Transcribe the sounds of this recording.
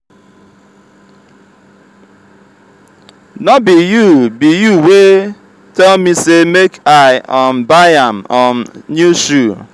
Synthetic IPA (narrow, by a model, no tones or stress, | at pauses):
nɔbijubijuwe | tɛlmisemekaɪambaãmɔnnjuʃu